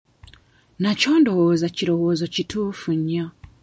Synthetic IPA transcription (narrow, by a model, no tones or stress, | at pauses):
naco̞ːndo̞woːzaciɾo̞wo̞ːzo̞cituːfuɲːa